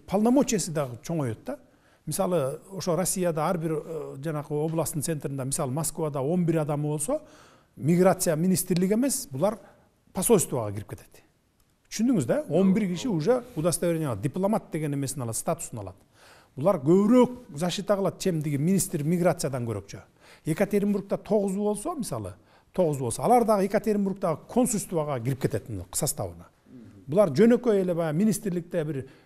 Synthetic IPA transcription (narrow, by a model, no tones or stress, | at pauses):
pʰalˠnamo̞t͡ʃiesɪd̪ɑʁət͡ʃʰo̞ɴojot̪ːɑ | misɑlˠəo̞ʃorosʲːijad̪ɑɑɾbiɾd͡ʒɑnɑqəo̞blˠɑst̪ənt̪et̪ɾɨnd̪ɑmisɑlˠəmoskvad̪ɑwo̞nbiɾɑd̪ɑmɯbo̞lˠso̞ | mʲiɡɾat̪sɨjaminist̪ɾlɪɡe̞me̞sbʊlˠɑɾ | pʰaso̞st̪vaʁɑ̰kʰʲiɾipket̪e̞̥t̪ | t̪ʰʏ̥ʃynd̪yŋyzd̪ɑo̞nbiɾkʲiʃiuʒe̞ud̪ɑst̪aweenʲɑlˠd̪ʲijplˠomat̪̚d̪e̞ɡe̞ne̞me̞sɪnɑlˠɑt̪st̪at̪ʊ̥sənɑlˠɑ̰d̪ | bʊlˠɑɾkʲʰɵbɪɾøk̚zɑʃijt̪ɑɑlˠɑt̪t̪ʰe̞md̪eɡʲeminist̪ɾmʲiɡɾat̪sɨjad̪ɑŋkʲʰɵɾe̞̰kt͡ʃɪ | e̞kat̪ʰʲeɾʲmburk̚t̪ɑt̪ʰo̞ʁəzbo̞lˠsomɪsɑ̰lˠə̰ | t̪ʰo̞ʁəzbwlˠsɑːlˠɑɾd̪ɑʁəe̞kat̪ʰʲeɾʲmburk̚t̪ɑʁəkʰo̞nsulʲst̪uvaʁɑkʲʰɪɾɪp̚kʲet̪e̞t̪qʰə̥sɑst̪ɑ̰wə̰nɑ | bʊlˠɑɾd͡ʒɵne̞kʲøelebɑjminijst̪ɪɾlɪk̚t̪ebɪɾ